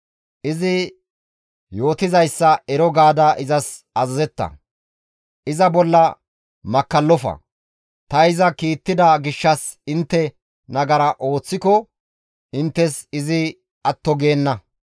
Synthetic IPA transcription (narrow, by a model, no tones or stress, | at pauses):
ʔɪzɪ | jo̞ːt̪ɪzɐjsːɐɛɾɔɡaːd̪ɐʔɪzɐs | ɐzɐzɛt̪ːɐ̰ | ʔɪzɐbɔlːɐ | mɐkːɐlːɔfɐ̰ | t̪ɐɪzɐkiːt̪ːɪd̪ɐɡɪʃːɐsɪnt̪ːɛ | nɐɡɐɾɐʔo̞ːt͡sːɪkɔ | ʔɪnt̪ːɛsɪzɪ | ɐt̪ːɔɡeːnːɐ